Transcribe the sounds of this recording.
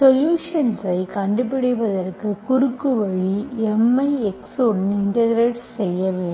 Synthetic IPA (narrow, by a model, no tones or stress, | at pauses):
sɔljuːʂɐnsɐɪkɐɳɖɯpːɪɽɪpɐðɐrkɯkʊɾɯkːɯʋɐɻiɛmːɐɪɛksoːʈnɪɳʈɐɾɡɾeːʈsːɛjːɐʋeː